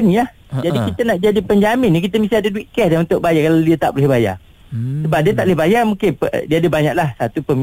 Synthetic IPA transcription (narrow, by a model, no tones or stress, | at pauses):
nĩah | d͡ʒadikit̪ənaʔd͡ʒadipəɲd͡ʒamɪnːikit̪əmĩsiadəduwiʔkɛsdanunt̪ʊʔ̚bajakaladiət̪a̰ʔbolɪhbaja̰ | səbap̚diət̪aʔləhbajamũkɪnpədiəadəbaɲaʔ̚lahsat̪upəm